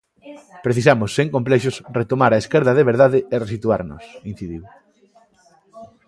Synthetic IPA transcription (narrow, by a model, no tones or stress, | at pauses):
pɾeθis̬amʊsːeŋkomplɛʃosret̪omaɾɐeskeɾðɐðeβeɾðaðeeresit̪ua̰ɾnʊ̰sin̟θiðiw